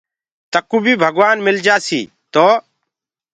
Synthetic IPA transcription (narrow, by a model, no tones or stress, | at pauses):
t̪əkːuːbʱiːbʱəɡʋaːnmɪld͡ʒaːsḭː | t̪oː